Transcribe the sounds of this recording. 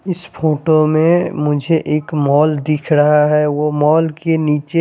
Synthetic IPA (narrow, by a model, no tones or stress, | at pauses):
ɪsfʰoːʈomẽmʊd͡ʒʱeʔeːkmɔːld̪ɪkʰɾɐɦaɦɛʋomɔːlkeniːt͡ʃe